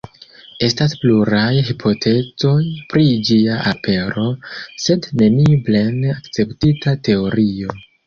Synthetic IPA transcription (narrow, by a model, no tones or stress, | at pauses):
e̞staspluɾajɦipʰo̞tʰe̞t͡so̞jpɾid͡ʒiaʔapʰe̞ɾo̞se̞dne̞nible̞nakt͡se̞ptitate̞o̞ɾio̞